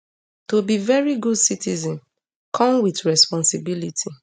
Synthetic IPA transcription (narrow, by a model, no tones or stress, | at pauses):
tobivɛɹiɡudsitizɔ̃n | kʰɔ̃mwitɹɛspɔ̃nsibilitʰi